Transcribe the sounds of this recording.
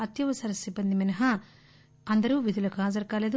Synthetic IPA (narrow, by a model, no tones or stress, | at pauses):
ɐt̪jɐʋɐsɐɾɐsibːɐnd̪iminɐɦɐ | ɐnd̪ɐɾuːʋid̪ulɐkuɦaːd͡ʒɐɾkaːleːd̪u